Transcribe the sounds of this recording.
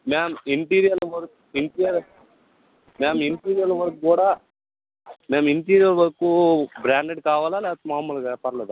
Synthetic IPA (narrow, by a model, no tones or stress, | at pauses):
meːmɐiɳʈiːɾijɐɾlʋɐɾɐkuiɳʈijɐɾ | meːmiɳʈiːɾijɐɾlɐʋɐɾɐkukuːɽaː | meːmiɳʈiːɾijɐɾʋɐɾɐkubɾaːɳɖeɖkaːʋaːlaːlɛːt̪ːmaːmulɐʋɛːpaːɾɐleːd̪u